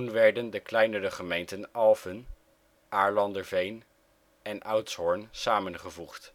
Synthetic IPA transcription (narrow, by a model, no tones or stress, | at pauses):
unʋɛɹdəndəklɛjnəɾəχəmejntənɑlˠfən | ʔaːɹlɑndəɹvejn | ɛnʔawtshɔɹnsaːmənχəvuχt